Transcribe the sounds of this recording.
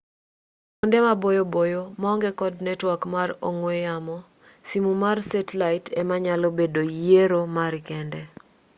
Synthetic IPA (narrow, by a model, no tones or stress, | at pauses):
ondemabojobojomaɔŋɡɛkɔdnɛtwakmaroŋweamɔ | simumarsetlaɪtɛmaɲalobedojeɾomaɾkɛndɛ